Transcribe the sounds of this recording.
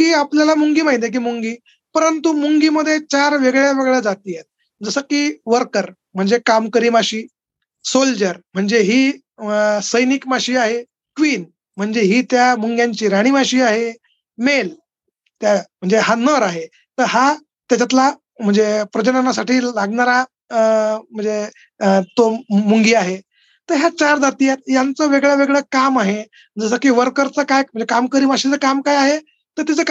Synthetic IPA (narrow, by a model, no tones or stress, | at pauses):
kiːapljalamuŋɡiːmaɦit̪̬ek̬iːmuŋɡiː | pəɾənt̪umuŋɡiːməd̪ʱːjet͡ɕaɾʋeɡɭjaʋeɡɭjad͡zat̪iːjet̪̚ | d͡zəsəkiːʋəɾkəɾ | m̤əɳd͡zekamkəɾiːmaɕiː | sold͡ʑəɾm̤əɳd͡zeɦiː | səjnikmaɕiːaɦe | kʋiːn | m̤əɳd͡zeɦiːt̪jamuŋɡjaɲt͡ɕiːɾaɽ̃imaɕiːaɦe | mel | t̪jam̤əɳd͡zeɦanəɾaɦe | t̪əɾɦa | t̪jat͡ɕat̪la | m̤əɳd͡zepɾəd͡ʑənanasaʈiːlaɡɳaɾa | m̤əɳd͡ze | t̪omuŋɡiːaɦe | t̪əɾɦjat͡ɕaɾd̪at̪ijat̪̚jant͡səʋeɡɭjaʋeɡɭəːkamaɦe | d͡zəs̬əkiːʋəɾkəɾt͡səkajm̤əɳd͡zekamkəɾiːmaɕit͡səkamkajaɦe | t̪əɾt̪it͡sək